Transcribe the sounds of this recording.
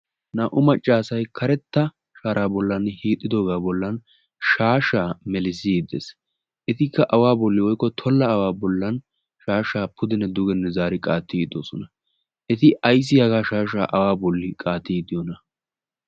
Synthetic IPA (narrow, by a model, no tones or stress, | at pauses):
naːʔʊmɐt͡ʃʼːaːsɐjkʰɐɾɛt̪ːɐ | ʃaːɾʔaːbɔlːɐnhiːt̪ʼːɪd̪oːɡaːbɔlːɐn | ʃaːʃaːmɛlɪs̬id̪ḛs | ʔɛt̪ɪkːɐʔɐwaːbɔlːɪwɔjkːɔt̪ʰɔlːɐːwaːbɔlːɐn | ʃaːʃaːpʰʊd̪ɪnɛd̪ʊɡɛnːɛzaːɾɪkʼaːt̪ːid̪o̰ːsɔnɐ | ʔɛt̪ɪʔɐjs̬ːɪjɐɡaːʃaːʃa̰ːʔɐwaːbɔlːɪkʼaːt̪ːid̪ɪjɔnɐ